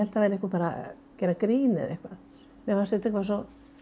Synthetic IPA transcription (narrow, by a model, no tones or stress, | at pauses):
ɛl̥t̪aveːɾɛhkapaːɾa̰ | cɛːɾakɾiːnɪ̰ðḛhkva | mɛvasɛt̪ɛkvas̬ɔ